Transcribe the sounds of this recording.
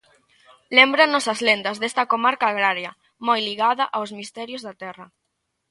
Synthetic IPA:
lembɾanɔsɐzlend̪ɐzðest̪ɐkomaɾkaːɣɾaɾjɐ | mojliɣaðɐʔawzmist̪ɛɾjozðɐt̪ɛrɐ

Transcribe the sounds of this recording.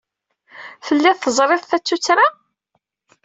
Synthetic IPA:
fəlːɪðθəzˤɾˤɪðˤθæt͡sːut͡sːɾa

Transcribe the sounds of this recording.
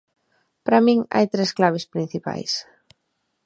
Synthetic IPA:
pɾamĩŋa̰jt̪ɾesklaβ̞ɪspɾĩn̟θipa̰js

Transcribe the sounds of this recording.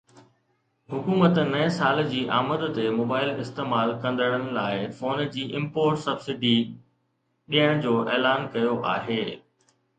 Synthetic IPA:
ɦʊkuːmət̪nɐẽsaːld͡ʑiːʔa̰ːməd̪t̪emoːbaːɪlɪst̪eːmaːlkɐ̃nd̪əɽ̃ənɪ̆laːɪfoːnd͡ʑiːʔɪ̃mpoːɾʈsɐbsɪɖi | ɗijəɽ̃d͡ʑoːʔeːlaːnkɐjoʔa̰ːɦeː

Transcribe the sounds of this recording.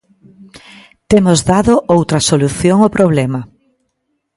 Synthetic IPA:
t̪emozðaðoʔowt̪ɾɐsoluθjoŋopɾoβ̞lɛmɐ

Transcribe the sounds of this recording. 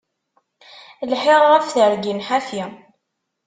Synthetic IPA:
lħeʁːæfθəɾɡinħafji

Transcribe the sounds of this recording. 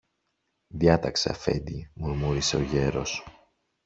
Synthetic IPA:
ðjɐt̪ɐkse̞ɐ̰fe̞̰nd̪imuɾmuɾise̞o̞ʝe̞ɾo̞̰s

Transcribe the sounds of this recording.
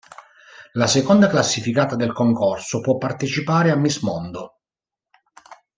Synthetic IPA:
lasekond̪aklasːifikaːt̪ad̪elkoŋkorsopwɔpːart̪et͡ʃipaːɾeamːismɔnd̪o

